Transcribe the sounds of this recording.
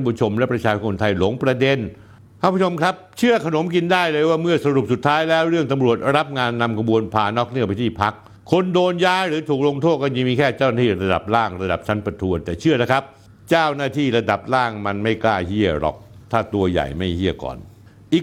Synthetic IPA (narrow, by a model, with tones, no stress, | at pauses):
nbu˧˩t͡ɕʰo˧mlɛ˦˥pɾa˧t͡ɕʰaː˧t͡ɕʰo˧nt̪ʰa˧jlo˩˦ŋpɾa˧de˧n | kʰa˥˩˧pːʰt͡ɕo˧mkʰɾa˦˥p̚t͡ɕʰɯ˥˩əkʰa˧no˩˦mki˧ndaː˥˩jlɤː˧jwaː˥˩mɯ˥˩ɐsa˧ɾu˨˩p̚su˨˩t̪ʰːaː˦˥jlɛː˦˥wɾɯ˥˩əŋt̪a˧mɾu˨˩ət̪̚ɾa˦˥p̚ŋaː˧nːa˧mkʰa˧bu˧ənpʰaː˨˩nɔː˦˥k̚nɯ˥˩pa˧jt̪ʰiː˥˩pʰa˦˥k̚ʰː | o˧ndoː˧njaː˦˥ɾɯː˩˦t̪ʰuː˨˩k̚lo˧ŋt̪ʰoː˥˩t̪̚kːja˧miː˧kʰɛː˥˩t͡ɕaː˥˩wnaː˥t̪iː˥˩ɾa˧da̰˨˩p̚laː˥˩ŋɾa˧da˨˩p̚t͡ɕʰa˦˥npɾa˧t̪ʰu˧ənt̪ɛː˨˩t͡ɕʰɯ˥˩əla˦˥˩kʰa˦˥p̚ | t͡ɕaː˥˩wnaː˥˩t̪ʰiː˥˩ɾa˧da˨˩p̚laː˥˩ŋma˧nma˥˩jklaː˥˩jhi˥˩əɾɔ̰˨˩k̚t̪ʰaː˥˩t̪u˧ɐja̰˨˩jma˥˩jhi˥˩əkɔ̰ː˨˩n | ʔiː˨˩